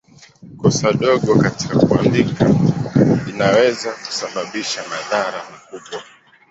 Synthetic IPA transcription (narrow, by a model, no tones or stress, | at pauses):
kɔsaɗɔɠɔkati̥kakuambika | inawɛzaku̥saɓaɓiʃamaðaɾamakuɓwa